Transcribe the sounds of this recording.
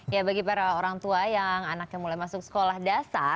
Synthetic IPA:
jabaɡipaɾaoɾaŋt̪uajaŋanak̚ɲamulajmasʊksə̥kolahdasa

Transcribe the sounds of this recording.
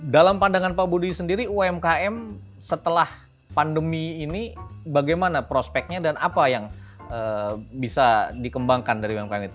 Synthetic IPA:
dalampandaŋanpabudusəndiɾiuɛmkaɛm | sət̪əlah | pandəmiːnibaɡajmanapɾospɛk̚ɲadanapajaŋəbisadikəmbaŋkandaɾiɛmkaɛmit̪u̥

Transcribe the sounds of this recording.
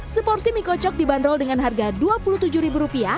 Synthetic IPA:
səpɔrsimikɔt͡ʃɔk̚dibanɾɔldəŋanɦarɡaduapuluht̪ud͡ʒuɾibuɾupia

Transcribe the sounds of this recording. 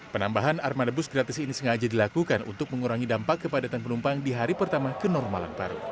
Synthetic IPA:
pənambaɦanarmadabʊsɡɾat̪ɪsinisəŋad͡ʒadilakukanṵnt̪ʊk̚məŋuɾaŋidampakːəpadat̪anpənumpaŋdiɦaɾipərt̪amakənɔrmala̰npa̰ɾṵ

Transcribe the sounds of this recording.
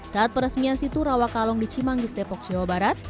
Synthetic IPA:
saat̪̚pəɾəsmiansit̪uɾawakalɔŋdit͡ʃimaŋdist̪epɔk̚d͡ʒ̥awabaɾat̪̚

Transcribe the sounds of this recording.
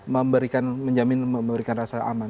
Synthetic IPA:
məmbəɾikanməɲd͡ʒamɪnməməbəɾikanrasaa̰man

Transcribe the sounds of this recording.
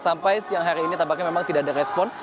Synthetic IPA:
sampajsjaŋɦaɾiːnit̪abakɲamemaŋt̪idaʔadaɾɛspɔn

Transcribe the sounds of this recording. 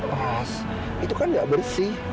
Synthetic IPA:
as | it̪ukanɡaʔbərsi

